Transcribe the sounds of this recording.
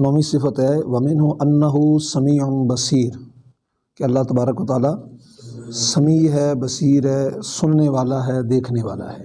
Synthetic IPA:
nɔːmisɪfət̪ɦɛːʋɐmɪ̃nɦʊʔɐnːəɦʊsɐmiːʊnbɐsiːɾ | keɐlːaːɦt̪ɐbaːɾəkʋət̪aːlaː | sɐmiːɦɛːbɐsiːɾɦɛːsʊnneʋaːlaɦɛːd̪eːkʰneʋa̰ːla̰ɦɛː

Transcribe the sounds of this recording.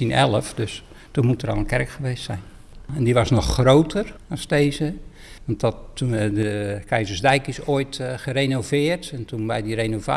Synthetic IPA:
inɛlˠəfdøs | tunmutərɑ̰lˠənkɛrəkχəʋeːstsɛ̰jn | ɛndiʋɑsnɔχːrowtʰərɑsdeːzə | ʋɑntɔudəkɛjzərzdɛjkɪsoːjtχərejnovɪːərtɛntunbɛjdirenova̰

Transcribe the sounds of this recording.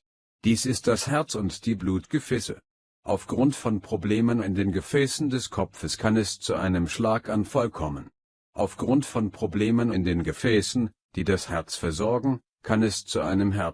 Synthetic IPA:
d̥iːsɪst̚d̥ashɛɐt͡sʊntd̥iːbluːtɡ̥əfɛːsə | ʔaʊfɡ̥ʁʊntfɔnpʁ̥obleːmənɪndeːnɡəfɛːsn̩dɛskʰɔpp͡fəskʰanɛst͡suʔa̰ɪnəmʃlaːkanfɔlkʰɔmən | ʔa̰ʊfɡ̥ʁʊntfɔnpʁ̥obleːmənɪndeːnɡəfɛːsn̩ | d̥iːdashɛɐt͡sfɛɐzɔɐɡŋ̩ | kʰanɛst͡suʔa̰ɪnəmɦɛɐ

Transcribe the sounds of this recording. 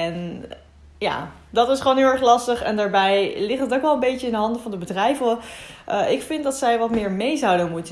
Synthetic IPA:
ɛn | ja̰ː | dɑtɪsχəʋownɦɪlˠɛχlɑstəχɛ̰ndaːɹbɛjlɪχtətowkʋɛlˠə̃mbejəɪndəɦɑndəvɑndəbədrɛjvəʔʔɪkfɪndɑtsɛjʋɑtmɪːɹmejzɑwdənmutə

